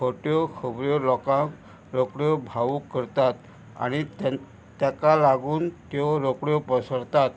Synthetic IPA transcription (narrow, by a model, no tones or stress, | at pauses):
kʰoʈjɔkʰəbɾjɔlɔkãk | ɾokɽjɔbʱaʋukːəɾt̪at̪ | a̰ɽ̃i | t̪jakalaɡuːnt̪jɔɾokɽjɔpəsəɽt̪at̪